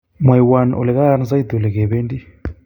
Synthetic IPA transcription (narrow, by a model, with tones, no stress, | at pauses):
mwa˨i˨wa˨nʔɔ̰˨lɛ˨ka˦a˦na˦za˦i˦d̪ɔ˨lɛ˨k̬ɛ˨βe˦ndi˦